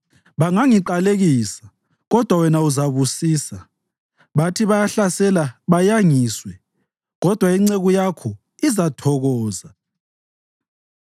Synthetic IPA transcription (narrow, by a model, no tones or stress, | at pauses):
βaŋaŋiǃaleɣiːsḁ | ɣɔd̥ʱwawɛnauzaβusiːsa | βatʰiβajaɬasɛlaβajaŋiːswɛ | ɣɔd̥ʱwaiŋ͡ǀeɣujakʰɔ | izatʰɔɣɔːza